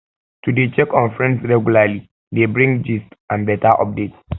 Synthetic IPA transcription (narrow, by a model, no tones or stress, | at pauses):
tʰudet͡ʃɛkɔ̃nfɹɛ̃nsɹɛɡulali | debɹĩŋɡd͡ʒistãnbɛtʰaʔɔ̰p̚dets